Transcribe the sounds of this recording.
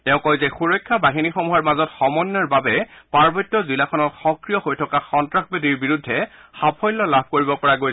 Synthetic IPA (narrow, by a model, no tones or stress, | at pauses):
tɛʊ̃kɔjzɛxuɹɔjkʰːabaɦinixomuɦɔɹmazɔtxɔmɔnːaɹbabɛpaɹbɔtːɔzilakʰɔnɔtxɔkɹijɔhojtʰɔkaxɔntɹaxbediɹbiɹudʱːɛxapʰɔjlːɔlab̚ʱkoɹibɔpɔɹaɡojsɛ